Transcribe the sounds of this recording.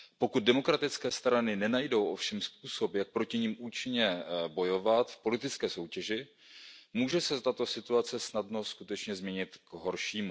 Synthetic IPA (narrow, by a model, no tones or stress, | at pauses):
po̞kut̪̚dɛmo̞kɾat̪ɪt͡skɛːst̪ɾanɪnɛnajdo̞wʔo̞fʃɛmsp̚uːso̞pjak̚pɾo̞cɪɲimʔuːt͡ʃɪɲɛbo̞jo̞vat̪fpo̞lɪt̪ɪt͡skɛːso̞wcɛʒɪ | muːʒɛsɛt̪at̪o̞sɪt̪uat͡sɛsnadno̞skut̪ɛt͡ʃɲɛzmɲɛɲɪt̪ɡɦo̞ɾʃiːmu